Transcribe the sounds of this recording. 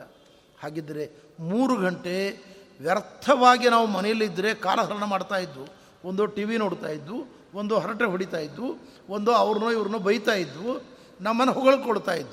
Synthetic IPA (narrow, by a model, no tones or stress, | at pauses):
ɐ | haːɡid̪ɐɾe̞muːɾuɡʱɐɳʈe̞ʋjɐɾtt̪ʰɐʋaːɡinaːʋumɐnɛjɐlːiːd̪ːɾe̞ka̰ːlɐɦɐɾɐnɐmaːɽt̪aːjid̪ːu | ond̪oːʈiːʋino̞ːɽt̪aːjid̪ːu | ond̪oɦɐɾɐʈɾeɦoɽit̪aːjid̪ːu | ond̪oɐʋɐɾɐnuːiʋɐɾɐnuːbɐjt̪aːjid̪ːu | nɐmːɐnːɐɦɔɡɐɭkɔɽt̪aːjid̪ːu